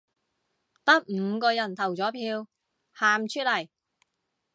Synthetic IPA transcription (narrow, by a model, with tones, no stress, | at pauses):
t̪ɐ˥k̚m̩˧kɔː˧jɐ˨˩nt̪ʰɐ˨˩wt͡sɔː˨˥pʰiː˧w | haː˨˧mt͡ʃʰɵ˥t̚lɐ˨˩j